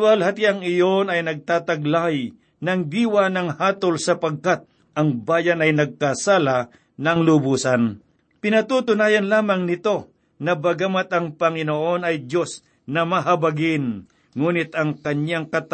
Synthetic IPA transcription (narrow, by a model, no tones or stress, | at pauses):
bɐlɦɐt̪iɐŋɪjo̞nɐjnɐɡ̚t̪aːt̪ɐɡlaj | nɐŋd̪iːwanɐŋhaːt̪olsɐpɐɡ̚kat̪̚ | ʔɐŋbaːjɐnɐjnɐɡ̚kasaːla | nɐŋlʊbuːsɐn | pɪnɐt̪ut̪ʊnaːjɐnlaːmɐŋnɪt̪o̞ | nɐbɐɡamat̪ɐŋpɐŋɪnoːʔo̞nɐjd̪jo̞s | nɐmɐɦɐbɐɡɪn | ŋuːnɪt̪ɐŋkɐɲaŋkɐt̪